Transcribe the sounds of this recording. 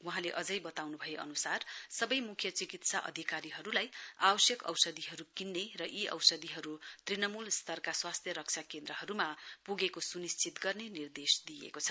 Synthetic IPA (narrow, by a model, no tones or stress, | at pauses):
waɦãleʔʌd͡zʌjbʌt̪awnubʱʌjeʔʌ̰nusarsʌbʌjmukʰjʌt͡sikit̪saʔʌ̰d̪ʱikaɾiɦʌɾulajabʌsjʌkʌ̰wsʌd̪iɦʌɾukinːerʌʔiʔʌ̰wsʌd̪iɦʌɾut̪rinʌmulst̪ʰʌrkaswast̪ʰjʌɾʌk̚t͡sʰakend̪ɾʌɦʌɾumapuɡekosunist͡sit̪ɡʌrnenird̪esd̪ijḛkot͡sʰʌ̥